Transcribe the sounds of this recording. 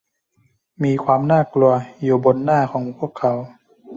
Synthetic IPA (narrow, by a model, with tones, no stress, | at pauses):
miː˧kʰwaː˧mnaː˥˩klu˧ɐjuː˨˩bo˧nːaː˥˩kʰɔː˩˦ŋpʰu˥˩əkʰːa˩˦w